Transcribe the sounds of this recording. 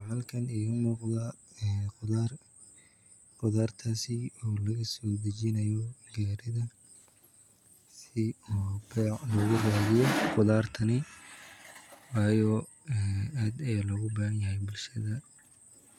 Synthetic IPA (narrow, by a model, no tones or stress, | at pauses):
ʕɑlkʰɐnɪʊmuːqðɐ | ɛːar | qʊðaːrt̪ʰaːsɪɔːlɐɣɐsɔːd̪ɐt͡ʃɪnɐjɔɡɛːɾɪðɐ | sɪɔːblɔːɣʊraːɣɪjɔqʊðaːrt̪ʰɐnɪ | wɑːjɔ | ɛːaːd̪ɛlɔɣʊbaːɣɐnjɐɦɛjbʊlʃɐðɐ